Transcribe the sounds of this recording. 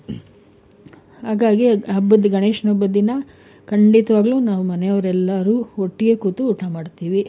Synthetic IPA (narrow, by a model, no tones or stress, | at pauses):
haːɡaːɡiɐbːɐd̪ɡɐɳeːʂnɐbːɐd̪inɐ | kɐɳɖit̪ɐʋaːɡɐluːnaːʋumɐnɛjɐʋɐɾɛlːɐɾuːoʈːiɡekuːt̪uuːʈʰamaːɖt̪iːʋi